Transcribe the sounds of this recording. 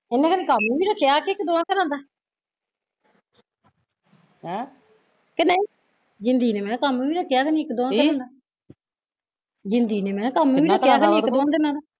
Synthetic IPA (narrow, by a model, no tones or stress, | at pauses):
ɪnːẽːkənĩːkamuʋiːɾaːkɪjaːkeːkd̪oːãːkəɾãːnd̪aː | kenəĩː | d͡ʒɪnd̪iːneːmɛ̃ːkamuiːɾaːkʰɪjaːkənĩːɪkd̪oːãːkəɾãːnd̪aː | d͡ʒɪnd̪iːneːmɛ̃ːkamuiːɾaːkʰjaːkənĩːɪkd̪oãːd̪enãːd̪aː